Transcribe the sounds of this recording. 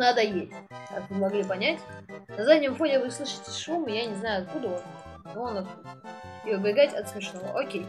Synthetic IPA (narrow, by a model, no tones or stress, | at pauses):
nad̪əjesʲtʲkakvɨmɐɡlʲipɐnʲætʲnɐzadʲnʲɪmfo̞nʲɪvɨslˠɨʂɨ̥tʲɪ̥ʂumɨjanʲɪznajʊɐt̪̚kud̪əon | nuonɐt̪̚kud̪əiɨbʲɪɡatʲɐt̪smʲɪʂnovə̰ʔokʲej